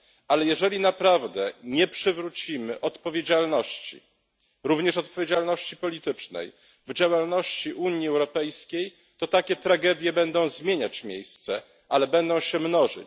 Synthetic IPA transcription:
alɛjɛʐɛlʲinapɾavd̪ɛɲɛpʂɘvɾut͡ɕimɘʔɔt̪pɔvʲjed͡ʑalnɔɕt͡ɕḭ | ɾuvɲɛʂɔt̪̚pɔvʲed͡ʑalnɔɕt͡ɕipɔlʲit̪ɘt͡ʂnɛ̰j | vd͡ʑawalnɔɕt͡ɕiʔuɲiɛwɾɔpɛjskʲej | t̪ɔt̪akʲɛt̪ɾaɡɛd̪ʲjɛbɛnd̪ɔ̃w̃zmʲjeɲat͡ɕmʲjejst̪sɛ | ʔalɛbɛnd̪ɔ̃w̃ɕɛmnɔʐɘ̰

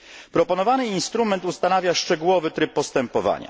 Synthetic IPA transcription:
pɾɔpɔnɔvanɘinst̪ɾumɛnt̪ust̪anavʲjaʂt͡ʂɛɡuwɔvɘt̪ɾɘpːɔst̪ɛmpɔva̰ɲa̰

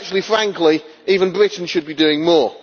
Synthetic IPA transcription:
t͡ʃuəlˠifɹãŋkli | iːvə̃nbɹɪʔn̩ʃəd̚bidʉːɪ̃ŋmɔː

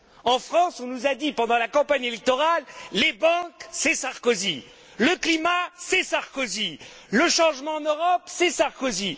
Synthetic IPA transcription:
ɑ̃fχɑ̃sɔ̃nuzad̪ipɑ̃d̪ɑ̃lakɑ̃paɲelɛk̚t̪ɔʁalːebɑ̃ksɛsaʁkozi | ləklimasɛsaʁkɔzi | ləʃɑ̃ʒmɑ̃ːnəʁɔpsɛsaʁkozi

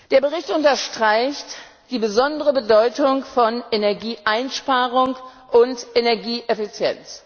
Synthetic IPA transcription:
d̥eːɐbəʁɪçtʊntɐʃtʁ̥aɪçt | d̥iːbəzɔndəʁəbədɔʏtʊŋfɔnʔenɛɐɡiːʔaɪnʃpaːʁʊŋ | ʔʊntʔenɛɐɡiːʔefit͡sjɛ̰nt͡s

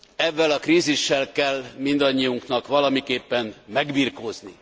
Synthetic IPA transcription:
ɛvːɛlɒkriːziʃːɛlkɛlːmind̪ɒɲːiuŋknɒkʋɒlɒmikeːpːɛnmɛɡbiːrkoːzni

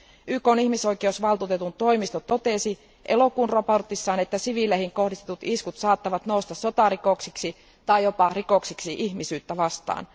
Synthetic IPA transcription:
ʔyːkoːnihmiso̞jkeusʋɑlt̪uːt̪e̞t̪unt̪o̞imist̪ot̪o̞t̪esi | ʔelo̞kuːnropo̞rt̪isːɑːnet̪ːæsiʋilehiŋko̞hdist̪et̪ut̪iskut̪sɑːt̪ːɑʋɑt̪noust̪ɑsso̞t̪ɑɾiko̞ksiksi | t̪ɑjopɑrikoksiksiʔihmisyːt̪ːæʋɑst̪ɑ̰ːn

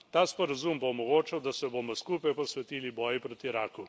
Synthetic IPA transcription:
t̪aːspɔɾazuːmboːmɔɡoːt͡ʃɐwd̪asɛboːmɔskuːpajpɔsʋɛt̪iːlibɔːjipɾoːt̪iɾaːku

